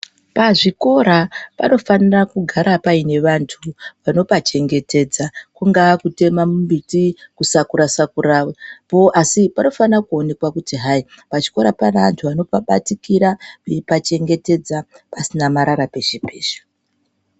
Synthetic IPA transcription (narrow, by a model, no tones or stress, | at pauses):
paʐiko̞ɾapano̞fanirakuɡʱaɾapaine̞ʋantʰuʋano̞pat͡ʃe̞ŋɡe̞te̞d͡zakuŋɡakute̞mamumbitikusakuɾasakuraepo̞ʔasipano̞fanrakuo̞ne̞kwakutiɦai | paʐiko̞ɾapanaa̰ntʰuʋano̞paɓa̰tikiɾaepat͡ʃe̞ŋɡe̞te̞d͡za | pasinamaɾaɾape̞ʐipeːʃḁ